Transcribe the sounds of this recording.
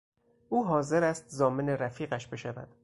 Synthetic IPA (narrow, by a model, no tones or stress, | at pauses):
ʔuːɦɒːze̞ɾæst̪zɒːmeneɾæfiːɣæʃbe̞ʃævæ̰d̪̥